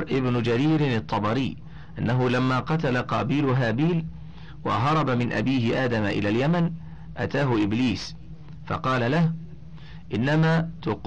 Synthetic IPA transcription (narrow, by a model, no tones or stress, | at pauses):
ɾʔɪbnʊd͡ʒaɾiːɾɪnɨt̪ˤːɑbɑɾɪː | ʔanːaɦʊlamːaːqɑt̪alaqɑːbiːlʊɦaːbiːl | wɑ̰ɦɑɾˤɑbamɪnʔa̰biːhɪʔaːd̪amaʔɪ̰laːljaman | ʔat̪aːɦʊʔɪbliːs | fɑ̰qɑːlalah | ʔɪnːamaːt̪ʊq